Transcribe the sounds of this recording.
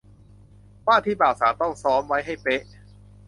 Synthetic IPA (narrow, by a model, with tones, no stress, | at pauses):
paː˥˩t̪ʰiː˥˩paː˨˩wsaː˨˦t̪ɔ˥˩ŋsɔː˦˥mwa˦˥jɦa˥˩jpe˦˥ʔ